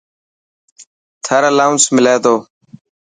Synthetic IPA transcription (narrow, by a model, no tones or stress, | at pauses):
t̪ʰəɾəlaːʊnsmɪleːt̪oː